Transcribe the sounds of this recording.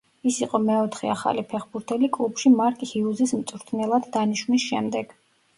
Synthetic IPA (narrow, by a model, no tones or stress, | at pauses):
isiqʼɔmɛɔt̪ʰχɛ̰aχa̰lipʰɛχbuɾt̪ʰɛlikʼlˠupʃimaɾkʼihiuzismt̪sʼɾt̪ʰnɛlˠad̪d̪aniʃwnisʃɛmd̪ɛɡ̥